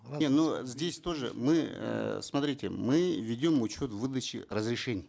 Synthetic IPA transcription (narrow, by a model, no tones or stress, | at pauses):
enozʲdʲesʲt̪o̞ʐɨ̰mɨə̰smɐt̪ɾʲitʲɪ̰mɨvʲɪdʲomʊt͡ɕo̞t̪vɨd̪ət͡ɕɪ̰ɾəzɾʲɪʂɛnʲɪj